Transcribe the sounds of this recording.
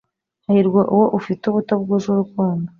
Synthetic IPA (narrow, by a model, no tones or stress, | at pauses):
hahiɾɡwaʔuwoʔufituβutob̚ɡuʒuɾukuːndo